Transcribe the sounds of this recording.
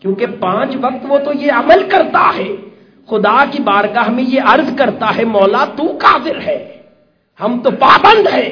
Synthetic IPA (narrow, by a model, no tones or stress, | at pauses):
kjõːkepãːt͡ʃʋɐq̚t̪ʋot̪ojeɐməlkɐɾt̪aɦɛː | xʊd̪akibaːɾkaɦɐmẽjeɐɾzkɐɾt̪aɦɛmɔːlat̪ukaːzɪɾɦɛː | hɐmt̪opaːbə̃nd̪ɦɛː